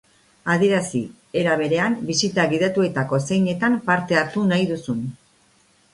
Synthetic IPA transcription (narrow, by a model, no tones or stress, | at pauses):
að̞ie̞ɾasi | e̞ɾaβ̞e̞ɾe̞ambisit̪aɣiðet̪ue̞t̪ako̞se̞jɲe̞t̪ampaɾt̪e̞aɾt̪unajðusun